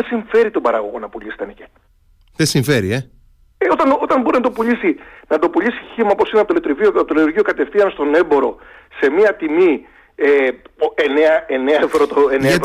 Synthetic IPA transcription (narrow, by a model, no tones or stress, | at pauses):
esiɱfe̞ɾit̪obɐɾɐɣo̞̰ɣo̞nɐpuʎist̪enece | ðesiɱfe̞ɾie | eo̞t̪ɐno̞t̪ɐnbo̞ɾinɐt̪o̞puʎisinɐt̪o̞puʎisi̥çimɐopo̞sineɐpot̪olet̪ɾivioɐpot̪olit̪uɾʝio̞kɐt̪e̞fθiɐnst̪o̞ne̞mbo̞ɾo̞ | se̞miɐt̪imi | eeneɐeneɐevɾot̪oeneɐ